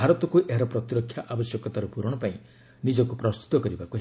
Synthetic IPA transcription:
aɾɔt̪ɔkuʔeɦaɾɔpɾɔt̪iɾɔkʰːjaʔabɔsjɔkɔt̪aɾupuɾɔɽ̃ɔpaĩ | nid͡ʒɔkupɾɔst̪u̥t̪ɔkɔɾibakuɦ

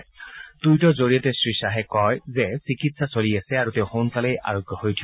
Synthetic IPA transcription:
d̥ujtɔzoɹijɔtɛsɹisaɦɛkɔjzɛsikitsasoliasɛaɹutɛʊ̃xonkalɛja̰ɹɔɡjɔhojtʰi

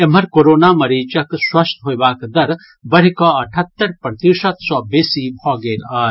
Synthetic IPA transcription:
em̤ɐɾkoɾoːnamɐɾiːt͡ʃɐkswɐst̪ɦojʋaːkd̪ɐɾ | bɐɾikɔɐʈʰɐt̪ːɐɾpɾɐt̪isɐt̪sɔːbesibʱɔːɡeːɾɐ

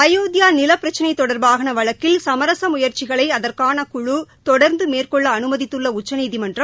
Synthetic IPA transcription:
ɐjoːðjaːnɪlɐpːɪɾɐt͡ʃːɪnɐɪt̪ːɔɽɐɾbaːɣɐnɐʋɐɭɐkːɪlsɐmɐɾɐsɐmʊjɐɾt͡ʃɪɣɐɭɐɪɐðɐrkaːnɐkʊɻut̪ɔɽɐɾnd̪ɯmeːrkɔɭːɐːnɯmɐðɪt̪ːɯɭːɐʊt͡ʃːɐniːðimɐndrɐm

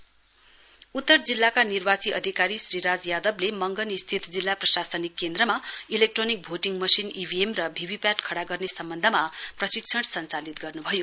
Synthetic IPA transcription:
ut̪ːʌrd͡zilːakanirbat͡siʔʌ̰d̪ʱikaɾisriɾad͡zjad̪ʌblemʌŋɡʌnist̪ʰit̪ʰd͡zilːaprʌsasʌnikːend̪rʌmailek̚ʈronik̚bʱoʈiŋmʌsinibʱiemrʌbʱibʱipaʈkʰʌɽaɡʌrnesʌmbʌnd̪ʱʌmaprʌsiksʰʌɽsʌnt͡salit̪ɡʌrnubʱʌjo

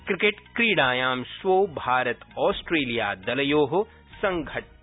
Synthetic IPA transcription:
kɾɪkeʈkɾiːɽaːjaːmswoːbʱaːɾɐt̪ɔːsʈɾeːlijaːd̪ɐlɐjoːɦo | sɐ̃ŋɡʱɐʈ̚

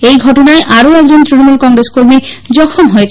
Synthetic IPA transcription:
ejɡʱɔʈɔnaeʔaɾoɛk̚d͡ʑont̪ɾinomulkɔŋɾeskoɾmid͡ʑɔkʰomɦojet͡ɕʰ

